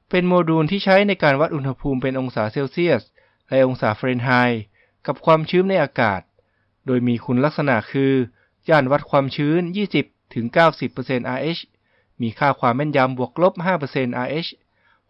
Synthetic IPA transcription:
pe˧nmoː˧duː˧nt̪ʰiː˥˩t͡ɕʰa˦˥jna˧jkaː˧nwa˦˥t̪̚ʔu˧nha˧pʰuː˧mpe˧nʔo˧ŋsaː˩˦seː˧wsi˥˩ət̪̚ | lɛ˦˥ʔo˧ŋsaː˩˦fɾeː˧nɦaː˧j | ka˨˩p̚kʰwaː˧mt͡ɕʰɯː˦˥mna˧jʔaː˧ka̰ː˨˩t̪̚ | doː˧jmiː˧kʰu˧nla˦˥k̚sa˧na̰˨˩ʔkʰɯː˧ | jaː˥˩nwa˦˥t̪̚kʰwaː˧mt͡ɕʰɯː˦˥njiː˥˩si˨˩p̚t̪ʰɯ˩˦ŋkaː˥˩wsi˨˩pːɤː˧se˧nʔaː˧ʔeː˦˥ɕ | miː˧kʰaː˥˩kʰwaː˧mːɛ˥˩nja˧mbu˨˩ək̚lo˦˥p̚ɦaː˥˩pɤ˧se˧nʔaː˧ʔeː˦˥ɕ

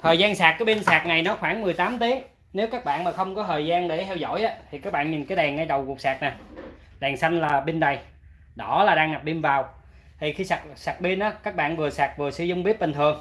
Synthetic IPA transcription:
t̪ʰəː˨˩jzaː˧nsaː˨˩k̚kaː˨˦jɓi˧ənsaː˨˩k̚na˨˩jnɔ˨˦xwaː˧˩nmɨ˨˩əjt̪aː˨˦mt̪i˨˦ | ne˨˦wkaː˦˥k̚ɓa̰ː˧˨nmaː˨˩xə˧wŋ͡mkɔ˨˦t̪ʰəː˨˩jzaː˧nɗe˧˩t̪ʰɛ˧wzɔ̰˧˨jʔaː˨˦t̪ʰi˨˩kaː˦˥k̚ɓa̰ː˧˨nɲi˨˩nkaː˨˦jɗɛ˨˩ŋːa˧jɗə˨˩wku˨˩ək̚saː˨˩k̚naː˨˩ | ɗɛ˨˩ŋsa˧jŋ̟laː˨˩ɓi˧nɗa˨˩j | ɗɔ˨˦laː˨˩ɗaː˧ŋa˨˩p̚ɓi˧nvaː˨˩w | t̪ʰi˨˩xi˧sa˨˩k̚saː˨˩k̚ɓi˧nʔaː˨˦kaː˦˥k̚ɓa̰ː˧˨nvɨ˨˩əsaː˨˩k̚vɨ˨˩əsɨ̰˧zʊ˧wŋ͡mɓi˦˥p̚ɓi˨˩ŋ̟t̪ʰɨ˨˩əŋ

